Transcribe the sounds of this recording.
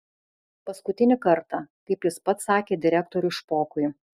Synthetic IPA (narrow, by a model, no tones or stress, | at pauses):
pɐskʊt̪ʲɪnʲɪkɐɾt̪ɑkɐɪpjɪspɐt̪sɑːkʲeːd̪ʲɪɾʲæk̚t̪ɔɾʲʊɪʃpoːkʊjʊ